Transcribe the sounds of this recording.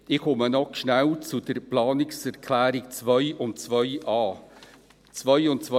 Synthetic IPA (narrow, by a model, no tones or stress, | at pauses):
ɪχʊmənɔkʃnæwt͡sud̪əɾplɑːnɪksɛɾkʰlæːɾɪk̚t͡svœʏʊntt͡svœʏɑː | t͡svœjʊnt̚t͡svœ